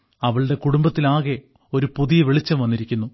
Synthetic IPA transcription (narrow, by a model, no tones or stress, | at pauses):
ɐʋɐɭɽe̞kuɽumbɐt̪ːilaːɣe̞ | o̞ɾupuðijɐʋiɭit͡ɕːɐmʋɐnːiɾikʲːunːu